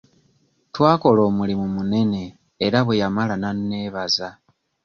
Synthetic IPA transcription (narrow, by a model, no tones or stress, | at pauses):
twaːko̞lo̞ːmulimumune̞ne̞ː | ɾaβwejamalananːe̞ːβaza